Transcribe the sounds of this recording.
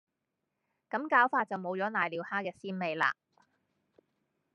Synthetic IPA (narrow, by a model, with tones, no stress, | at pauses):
kɐ˨˥mkaː˨˥wfaː˧t̚t͡sɐ˨wmo˨˧wt͡sɔː˨˥naː˨˩jliː˨˥whaː˥kɛː˧siː˥nme˨˧jla̰ː˧